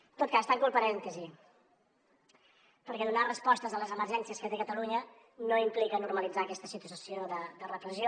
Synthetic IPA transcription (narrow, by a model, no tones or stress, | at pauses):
t̪ot̪̚kaːst̪aŋkulˠpəɾɛnt̪əzi | pəɾkɛðunarəspɔst̪əzələzəməɾʒɛnsiəskət̪ekət̪əluɲə | noimplikənuɾməlid͡zakɛst̪əsit̪uəsioðəd̪ərəpɾəzio